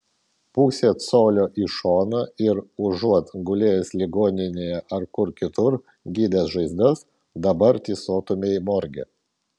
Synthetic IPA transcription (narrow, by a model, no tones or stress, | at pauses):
puːsʲeːt̪soːlʲoːʔiʃoːnɐɪɾʊʒuɔt̪ɡʊlʲeːjɛsʲlʲɪɡoːnʲɪnʲeːjɛʔɐɾkʊɾkʲɪt̪ʊɾ | ɡʲiːd̪ʲeːsʒɐɪzd̪ɐs | d̪ɐbɐɾt̪ʲiːsoːt̪ʊmʲejmɔɾʲɡʲḛ